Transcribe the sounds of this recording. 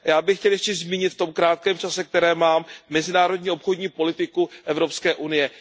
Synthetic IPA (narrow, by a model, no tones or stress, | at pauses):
jaːbɪxcɛljɛʃcɛzmiːɲɪt̪ft̪o̞mkɾaːt̪̚kɛːmt͡ʃasɛk̚t̪ɛɾɛːmaːmːɛzɪnaːɾo̞dɲiːʔo̞pxodɲiːpo̞lɪt̪ɪkuʔɛvɾopskɛːʔunɪjɛ